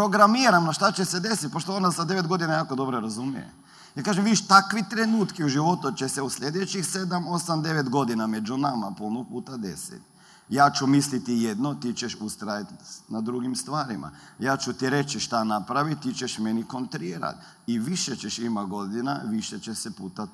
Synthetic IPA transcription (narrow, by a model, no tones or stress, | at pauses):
pɾo̞ɡɾamiɾamnaʃt̪at͡ʃesed̪e̞sit̪̚poʃt̪oonasad̪eʋet̪ɡo̞d̪inajaːko̞d̪o̞bɾoɾazumḭjḛ | jakaːʒemʋiʃt̪akʋit̪ɾenuːt̪kiuʒiʋo̞t̪ut͡ʃeseuslʎʲed̪et͡ʃixse̞d̪amo̞samd̪e̞ʋet̪ɡo̞d̪iname̞d͡ʒunama̰polˠnopuːt̪ad̪e̞sḭt̪ | jaːt͡ʃumislit̪ijed̪not̪it͡ʃeʃust̪ɾajat̪nad̪ɾuɡimst̪ʋaːɾima̰jaːt͡ʃut̪iɾe̞t͡ʃiʃt̪anapɾaʋit̪t̪it͡ʃeʃme̞niko̞nt̪ɾiɾa̰t̪ | iʋiʃet͡ɕeʃimaɡo̞d̪inaʋiʃet͡ʃesepuːt̪a